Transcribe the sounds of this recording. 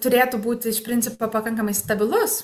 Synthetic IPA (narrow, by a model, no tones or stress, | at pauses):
t̪ʊɾʲeːt̪ʊbuːt̪ʲɪɪʃpʲɾʲɪnʲt͡s̪ʲɪpoːpɐkɐŋkɐmɐɪst̪ɐbʲɪlˠʊs